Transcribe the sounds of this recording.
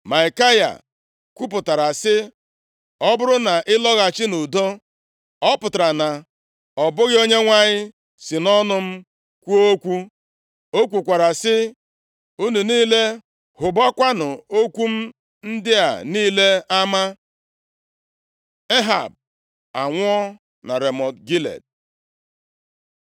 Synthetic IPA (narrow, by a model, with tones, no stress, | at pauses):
ma˨ɪ˨ka˦ja̰˨ | kʷu˦pʊ˨ta˨ɾa˨sɪ˦ | ɔ˦bʊ˦ɾʊ˦na˨ʔɪ˦lɔ˦ɣa˨t͡ʃɪ˦nu˨do˦ | ɔ˦pʊ˨ta˨ɾa˨na˨ | ɔ˨bʊ˦ɣɪ˦o˦ɲe˦ŋʷa˦ɲɪ˦ | sɪ˨nɔ˦nʊ˦m̩˦ | kʷu˦o˦kʷu˦ | o˦kʷu˨kʷa˨ɾa˨sɪ˦ | u˦nu˨niː˦le˦ | hʊ˨bɔ˦kʷa˦nʊ˨o˦kʷu˦m̩˦ | n̩˦dɪ˦a̰˨niː˦le˦a˦ma˦ | e˦ɦa̰˨b̚ | a˨ŋʷʊ˦ɔ˦ | na̰˨ɾe˨mɔ˨tɡi˦lḛ˨d̚